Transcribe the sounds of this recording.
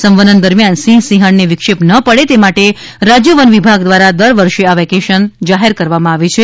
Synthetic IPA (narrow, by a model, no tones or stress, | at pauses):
səmʋəd̪ənd̪əɾmjansĩsiɦəɳneʋɪkʃepnəpəɽet̪emaʈe | ɾad͡ʒjəʋənʋibʱaɡd̪ʋaɾad̪əɾʋəɾʃeaʋɛkeʃənd͡ʒaɦeɾkəɾʋamãaʋet͡ʃʰe